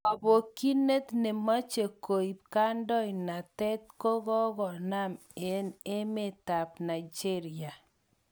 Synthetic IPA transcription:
ɔ˨bo˨ki˦ne˦t̪ne˨ma˦t͡ʃe˨ko˨i˨p̚ka˦ndɔ˦ina˨tɛ˦t̚kɔ˦ɣɔ˦ɣɔ˨na˦m | e˨˦ne˦me˦˨ta˨pna˨id͡ʒe˦ɾia˨

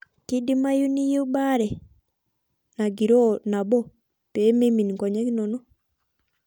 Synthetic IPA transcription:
ki˦di˦ma˦ju˦ni˦je˦u˦ba˦ɾɛ˨ | na˨ɡi˨ɾo˦˨na˨bɔ˦ | pe˨˦me˦mi˨ni˨kɔ˨ɲɛ˦ki˦no˨no˦

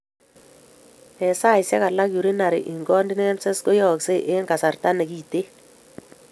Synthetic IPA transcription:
ɛ˨sa˦ɪ˨sɛ˦ka˨la˦kju˨ɾi˦na˨ɾɪ̰˨ʔi˨ŋɡɔ˦ndɪ˦nɛ˦msɛ˦sko˦jɔ˨kse˦ʔe˦ŋɡa˨sa˨rta˦ne˨ki˨te˦

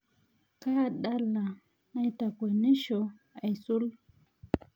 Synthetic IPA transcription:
ka˦˨ɗa˦lːa˨ | na˦jta˨kʷo˨ne˦ʃo˨a˨jsu˦l

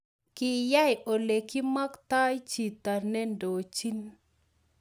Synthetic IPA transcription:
kɪ˨ja˦jo˨le˨ki˦ma˦kta˦jt͡ʃi˨ta˨nɛ˦ndo˨t͡ʃi˦n

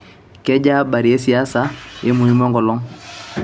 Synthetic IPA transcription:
kɛ˦ɟa˦ba˨ɾi˨e˦si˨a˦sa˨je˦mu˨i˦mɔ˦ŋɡɔ˨lɔ˦ŋ

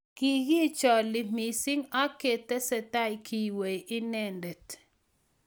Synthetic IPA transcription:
ki˨ɡi˦t͡ʃɔ˨lɪ˨mi˨si˦ŋa˦ke˨tɛ˦sɛ˨ta˦jki˨we˨ʔɪ˦nɛ˦˨ndɛ˨t

